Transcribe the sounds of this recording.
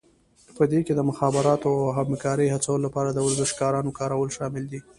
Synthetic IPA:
pəd̪eked̪əmʊxɑbɪɾɑt̪oawɦamkɑɾəjhat͡sawəlolapɑɾad̪əwəɾzɪʃkɑɾɑnokɑɾawəlʃɑmɪld̪i

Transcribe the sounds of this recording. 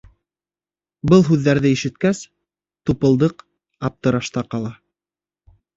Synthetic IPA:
bɤlˠɦʉðːæɾðɘiʃɘ̆t̪kæs | t̪upɤ̆lˠd̪ɤq | ɑp̚t̪ɤ̆ɾɑʃt̪ɑqɑlˠɑ

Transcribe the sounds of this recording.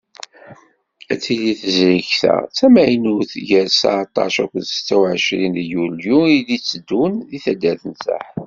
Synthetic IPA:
æt͡sːiliθəzɾiçθæ̰t͡sːæmæjnuθʝəɾsa̰ʕt̪ˤːɑ̰ʃækʷənst͡sːæwʕəʃɾinjuljuilit͡sːəd̪ːunðiθæd̪ːæθəntə̰ħ

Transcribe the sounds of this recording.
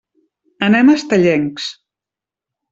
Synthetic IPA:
ənɛməst̪əʎɛŋks

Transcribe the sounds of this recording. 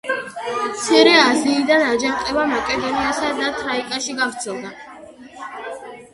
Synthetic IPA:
mt̪sʰɛɾɛaziːd̪anad͡ʒamqʼɛvamakʼɛd̪ɔniasad̪at̪ʰɾaikʼaʃiɡafɾt̪sʰɛlˠd̪a

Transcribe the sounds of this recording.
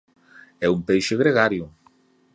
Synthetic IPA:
ɛumpejʃeɣɾeɣaɾjʊ

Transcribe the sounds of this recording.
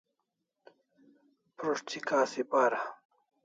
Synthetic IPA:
pɾoʂt͡ɕʰikaːsipaːɾa

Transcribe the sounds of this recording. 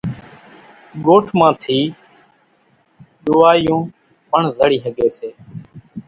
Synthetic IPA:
ɠoːʈʰmãːt̪ʰiː | ɗ̪ʊʋaːjõː | pəɳzəɽiːɦəɠeːseː

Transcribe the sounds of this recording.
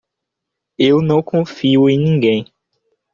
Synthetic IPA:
ewnɐ̃w̃kõfiuẽj̃nĩŋɡẽj̃

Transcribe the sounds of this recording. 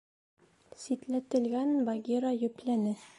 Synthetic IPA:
sit̪læt̪ɘ̆lɡænbɑɡʲiɾɑjɵ̆plænɘ

